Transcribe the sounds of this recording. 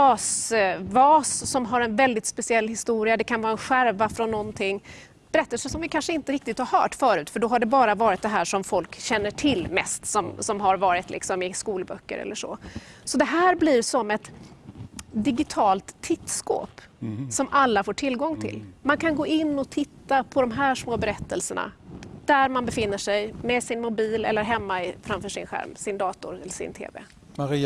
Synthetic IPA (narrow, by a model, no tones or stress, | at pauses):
ɑːsvɑːsːɔmɦaɾɛnvɛld̪ɪt̪spɛsɪɛlːhɪst̪uːɾɪad̪ɛkʰanvɑːɾaɛnɧæɾvafɾɔnːɔnt̪ʰɪŋː | b̥ɛɾɛt̪ːəlsəʂɔmvɪkʰanʂəɪnt̪əɾɪk̚t̪ɪt̪haɾhœ̰ːʈfœːɾʉ̟ːt̪fœɖɔɦaɖɛbɑːɾavɑːɾɪt̪̚d̪ɛɦæːʂɔmfɔlkɕɛnːəʈʰɪlːmɛ̰st̪sɔmsɔmɦaɾvɑːɾɪt̪lɪ̰ksɔmɪskuːlbœ̰kːə̰ɾɛ̰lːəʂɔ̰sɔd̪ɛɦæːɾbliɾsɔmɛt̪ | d̪ɪɡɪt̪ʰɑːlt̪ʰːɪt̪sko̰ːpsɔmʔalːafoːʈʰɪlɡɔŋːt̪ʰɪ̰lmankʰanɡoːɪnːɔt̪ʰɪt̪ːapʰɔd̪ɔmɦæːʂmoːbɛɾɛt̪ːəlsəɳa̰d̪̥æɾmanbɛfɪn̪ːəʂɛjmɛsɪnmʊbiːlɛ̰lːəɾɦɛmːaɪfɾamfœːʂɪ̰nɧæ̰ɾmsɪnd̪ɑːt̪ʊ̰ɾɛlːəʂɪ̰nt̪ʰḛːvɛ̰ | maɾi